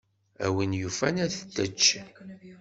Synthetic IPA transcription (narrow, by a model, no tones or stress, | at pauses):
æ̰winjufænæθəd̪ːət͡ʃː